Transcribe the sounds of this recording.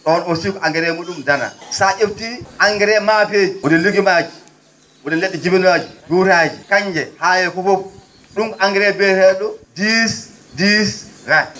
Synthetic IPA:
ɗɔnosikɔʔaŋɡɛɾɛmuɗumdana̰saʔeftiaŋɡɛɾɛmapeːd͡ʒiwudiluɡimad͡ʒi | wudɛlɛɗːɛd͡ʒibinad͡ʒiduːɾad͡ʒikaɲd͡ʒɛhaːjɛkɔfɔp | ɗumkʔaŋɡɛɾɛbɛɾɛɗɔdis | disɾa

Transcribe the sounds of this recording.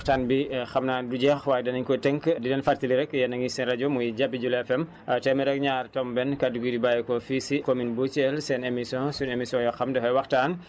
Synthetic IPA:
taːnbixɐmnaːnduɟɛxwaːjdɐnɐɲkɔtɛŋkdidɛnfartiliɾɛkjɛnːɐŋisɛnrɐɟɔmujɟabːiɟulɛfɛm | tɛmɛɾɛk̚ɲaːrtɔmbɛnkɐduɡidibajɛkɔfisikominbut͡ʃɛlsɛnemisɔ̃sunemisjɔ̃jɔxɐmdɛfɐjwɐxtaːn

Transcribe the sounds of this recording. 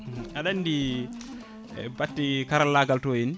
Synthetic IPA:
aɗanːdi | batːikaɾalːaɡaltɔjin

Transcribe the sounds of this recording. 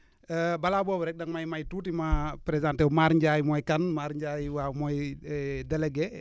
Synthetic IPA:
əbalabobɾɛk̚daŋmajmajtutimapɾezãntɛwmaɾɲd͡ʒajmɔjkanmaɾɲd͡ʒajwamɔjdɛlɛɡɛ

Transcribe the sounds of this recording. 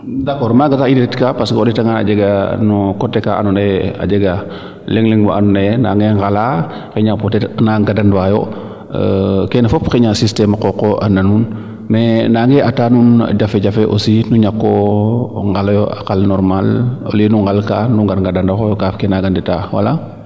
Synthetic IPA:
dakɔɾmaɡataidetitkapaskoditaŋana̰d͡ʒeɡanukɔtːekaʔa̰nunea̰d͡ʒeɡa | lɛŋliŋwaanunana̰ŋɡeŋɡala | keɲapotɛnaɡadandwajo̰ | kenfɔpkeɲasistemakokoʔananun | mɛnaŋɡɛʔataːnun̰d͡ʒafeɟafeʔosinuɲakːo | ŋɡalajoakalnɔɾmalo̰linuŋɡalkauŋɡanɡadandaxojkafkɛnaɡanditawa̰la

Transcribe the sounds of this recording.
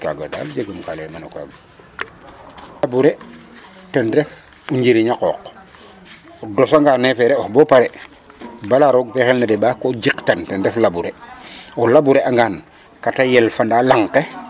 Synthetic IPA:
ka̰ɡo̰da̰ld͡ʒeɡəmkalemanoka̰bu | labuɾe | tɛndɛf | uɲɟiɾiɲakɔ̰ːq | ɔdɔsaŋɡaːnːɛfɛɾeɔhbɔpaɾe | balaɾoɡ̚pɛxelnadebaːkoɟiktantɛndɛflabuɾeolabuɾeʔaŋɡaːn | katajɛlfandalaŋke

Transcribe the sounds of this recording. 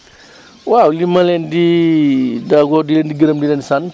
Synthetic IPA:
wawlimɐlɛndi | daɡɔdilɛndiɡiɾɐmdilɛnsan

